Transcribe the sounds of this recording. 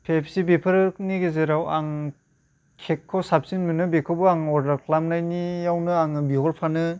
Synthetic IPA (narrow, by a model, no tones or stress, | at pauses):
pʰepʰsibipʰɯɾniɡezeɾawaŋ | kʰekʰːɔsap̚sinbɯnɯbekʰɔbuaŋɔdɾakʰlamnajnijawnɯaŋɯbiɦɔɾpʰanɯ